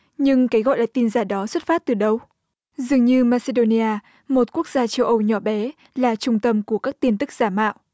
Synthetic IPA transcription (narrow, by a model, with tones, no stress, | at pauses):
ɲɨ˧ŋkaː˨˦jɣɔ̰˧˨jla̰ː˧˨jt̪i˧nzaː˧˩ɗɔ˨˦swə˦˥t̚faː˦˥t̚t̪ɨ˨˩ɗə˧w | zɨ˨˩əŋɲɨ˧maː˧se˧ɗo˧ni˧ʔaː˧ | mo˨˩t̚ku˦˥ək̚zaː˧t͡ɕə˧wʔə˧wɲɔ˧˩ɓɛ˨˦ | laː˨˩t͡ɕʊ˧ŋ͡mt̪ə˧mku˧˩əkaː˦˥k̚t̪i˧ənt̪ɨ˦˥k̚z̥aː˧˩ma̰ː˧˨wʔ